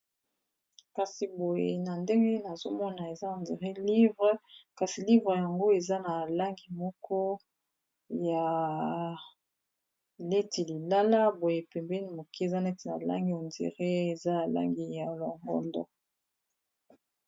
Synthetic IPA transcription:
ka˨si˨bo˨jḛ˨na˨nde˦ŋɡe˦na˨zo˦mɔ˦na˨e˨za˦a˨ndi˨ʁe˦li˦vʁe˦ka˨si˨li˦vʁe˨ja˨ŋɡo˦e˨za˦na˨la˦ŋɡi˨mɔ˦kɔ˦ | ja˨ | le˦ti˨li˨la˦la˦bo˨je˨pɛ˨mbɛ˦ni˦mo˨ke˦e˨za˦na˨e˦ti˨na̰˨la̰˦ŋɡi˦o˨ndḭ˨ʁe˦e˨za˦ja˨la̰˦ŋɡi˨ja˨lo˨ŋɡɔ̰˦ndɔ̰˦

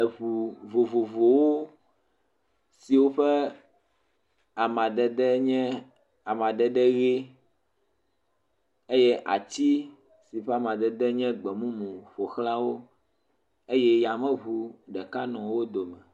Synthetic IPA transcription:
e˨βu˨vo˨vo˨vo˨wo˦ | si˨wo˦ɸɛ˦ | a˨mã˨ɖ̪ɛ˨d̪ɛ˦ɲɛ̃˦ | a˨mã˨ɖ̪ɛ˦ɖɛ˦ɣe˦ | e˦jɛ˦ʔa̰˨t͡ɕi˦ | si˨ɸɛ˦a˨mã˨d̪ɛ˨d̪ɛ˦ɲɛ̃˦ɡ͡bɛ˨mũ˦mũ˨ɸo˨xla˦wo˦ | e˦jɛ˦ja˨mɛ̃˦βu˨ɖɛ˨ka˦nɔ̃˨wo˦d̪o˨mɛ̃˨

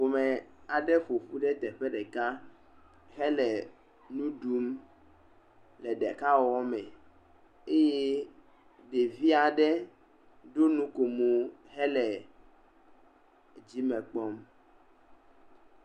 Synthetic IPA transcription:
vo˨mɛ˨a˨ɖɛ˦ɸo˨ɸu˦ɖɛ˦t̪ɛ˨ɸɛ˦ɖɛ˨ka˦ | ɦɛ˦lɛ˨ | nũ˦ɖu˦m | lɛ˨ɖɛ˨ka˦wɔ˦wɔ˦mɛ̃˨ | e˦je˦ | ɖe˨vi˦a˨ɖɛ˦ | ɖo˦nũ˦ko˨mo˨ɦɛ˦lɛ˨ | d͡ʑi˦mɛ̃˨k͡pɔ˦m

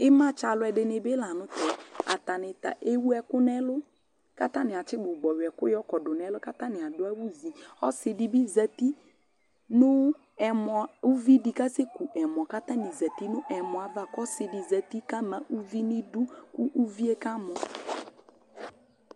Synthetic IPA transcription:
ɪ˦mã˦t͡ʃa˨lʊ˦ɛ˨dɪ˨nɪ˨bɪ˦la˨nʊ̃˦tɛ˨a̰˨t̪a˨nɪ˨t̪a̰˨ʔe˦wu˦ɛ˨kʊ˦nɛ˦lʊ˦ | ka˦t̪a˦nɪ˨a˨t͡ʃɪ˦ɡ͡bʊ˨ɡ͡bɔ˨wɪ˨ɛ˨kʊ̰˦jɔ˦kɔ˨dʊ˨n˨ɛ˨˦lʊ˦ka˦t̪a˦nɪ˨a˨dʊ˦a˦wu˦zi˨ɔ˦sɪ˨dɪ˨bi˦zɛ˨ti˦ | nʊ˦ | ɛ˨mɔ˨u˦vi˦di˨ka˦se˦ku˨ʔɛ˨m˨ɔ˨ka˦t̪a˦nɪ˨zɛ˨t̪i˦nʊ˦ʔɛ˨mʊ̃˨a˨va˦kɔ˦sɪ˨dɪ˨zɛ˨t̪i˦ka˦mã˨ʔu˦vi˦nɪ˦du˦kʊ˦ʔu˦vi˦e˦ka˦mɔ˨

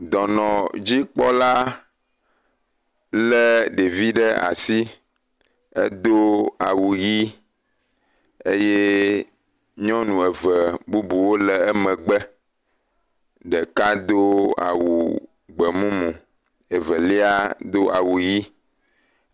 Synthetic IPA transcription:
d̪ɔ˨nɔ̃˨d͡ʑi˦k͡pɔ˦la˦ | lɛ˦ɖe˨vi˦ɖə˦a̰˨si˦ | ɛ̰˦d̪o˦a˨wu˨ji˦ | e˦je˦ | ɲɔ̃˦nũ˨ɛ˨və˨bu˦bu˨wo˦lɛ˨ɛ˦mɛ̃˨ɡ͡bɛ˦ | ɖɛ˨ka˦d̪o˦a̰˨wu˨ | ɡ͡bə˨mũ˦mũ˨ | ɛ˨və˨li˦a˦d̪o˦ʔa̰˨wu˨ji˦

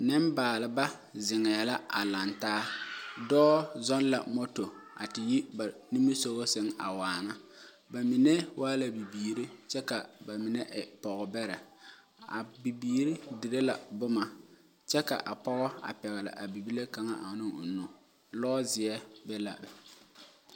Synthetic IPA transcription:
nɪ˦mbaː˨lɪ˨ba˦zɪ˨ŋɛː˨la˦a˨la˨ntaː˦dɔː˦zɔ˦nla̰˨mo˦to˨a̰˨tɪ˨ji˦ba˨ni˦mi˦so˦ɣo˦sɪ˦ŋa˨waː˨na˦ | ba˨mi˨nɛ˦wʔaː˦la˨bi˨biː˨ɾi˦t͡ʃɛ˦ka˨ba˨mɪ˨nɛ˦ʔɪ˨pɔ˨ɣɔ˨bɛ˦ɾɛ˨ | a̰˨bi˨biː˨ɾi˦di˨ɾe˦la̰˨bʊ˦ma˨ | t͡ʃɛ˦ka̰˨ʔa˨pɔ˦ɣɔ˦a̰˨pɛ˨ɣɛ˨la̰˨ʔa˨bi˨bi˦le˦ka˨ŋa̰˦ʔa˨nɪ˦ŋʊ̰˨no˨ | lɔː˦zɪ˨ɛ˦bɛ˦la̰˨b

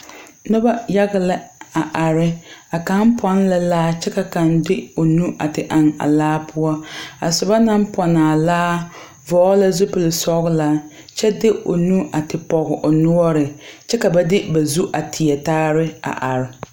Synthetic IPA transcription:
nʊ˦ba˦ja˦ɣɪ˦lɪ˦a˨ʔa˨ɾɪ˦a˨ka˨˦mpʰɔ˦n˦la˦laː˦t͡ʃɛ˦ka˨ka˨ndɪ˦o˨nu˦a̰˨tɪ˨ʔa˨ŋa̰˨laː˦pʰʊ˦ɔ˦a˨sʊ˨ba˦na˦m˦pʰɔ˨naː˨laː˦ | vɔː˨˦la˦zʊ˦pɪ˨lɪ˨sɔ˦ɣʊ˦la˨ | t͡ʃɛ˦dɪ˦o̰˨nu˦a˨tɪ˨pɔ˨ɣɪ˨ʔʊ˨nʊ˦ɔ˦ɾɪ˨t͡ʃɛ˦ka˨ba˦dɪ˦ba˨zu˦ʔa˨tʰɪ˨ɛ˨taː˦ɾɪ˦a̰˨ʔa̰˨ɾɪ˨

